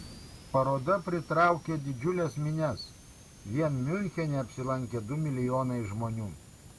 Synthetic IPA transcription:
pɐɾoːd̪ɐpʲɾʲɪt̪ɾɑˑʊkʲeːd̪ʲɪd͡ʒʲʊlʲɛsmʲɪnʲɛs | ʋʲiɛnmʲʊlʲxʲɛnʲɛɐpʲsʲɪlˠɐŋʲkʲɛd̪ʊmʲɪlʲɪjoːnɐɪʒmoːnʲuː

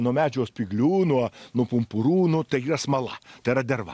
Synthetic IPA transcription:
nuɔmʲæːd͡ʒʲuɔspʲɪɡlʲuːnuɔnuɔpʊmpʊɾuːnʊt̪ɐɪiːɾɐsmɐlˠɐ̰t̪ɐɪɾɐd̪ʲɛrʋɐ̰

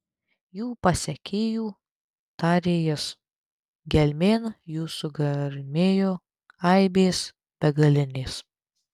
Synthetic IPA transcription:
juːpɐsʲɛkʲeːjuː | t̪ɑːɾʲeːjɛs | ɡʲɛlʲmʲeːnjuːsʊɡɐɾʲmʲeːjoː | ɐɪbʲeːs | b̥ʲɛɡɐlʲɪnʲeːs

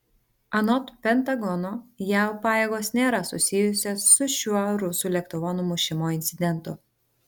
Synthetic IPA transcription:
ɐnɔt̪pʲɛnt̪ɐɡɔnoːjæˑʊpɑːjeːɡoːsnʲeːɾɐsʊ̰sʲɪjʊsʲoːsːʊʃʲuɔɾʊsuːlʲɛkt̪ʊʋɔnʊmʊʃʲɪmoːɪnʲt̪sʲɪd̪ʲɛnt̪ʊ̰

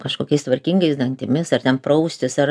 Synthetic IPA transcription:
kɐʃkoːkʲɛɪst̪ʋɐɾʲkʲiŋɡɐɪsd̪ɐŋʲt̪ʲɪmʲɪsɐrt̪ʲɛnpɾɐʊsʲt̪ʲɪsɐr

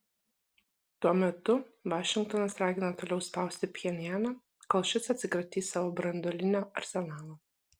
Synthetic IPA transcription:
t̪uɔmʲɛt̪ʊʋɑːʃʲɪŋkt̪ɔnɐsɾɑːɡʲɪnɐt̪oːlʲɛʊspɑˑʊsʲt̪ʲɪpʲjɛnʲjæːnɐ | kɐlˠʃʲɪt̪sɐt̪ʲsʲɪkɾɐt̪ʲiːsɑːʋoːbɾɐnd̪ɔːlʲɪnʲoːɐ̰ɾʲsʲɛnɑːlˠoː

